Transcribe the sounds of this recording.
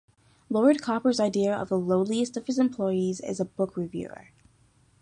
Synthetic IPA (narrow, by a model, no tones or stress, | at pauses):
lɔɹd̚kʰɑpə˞zaɪdiɨʌ̰vðəloʊlˠiɨstʌv̥hɨzɨ̃mpʰl̥ɔɪizɪ̰zəbʊkʰɹɨvjʉ̰ə̰˞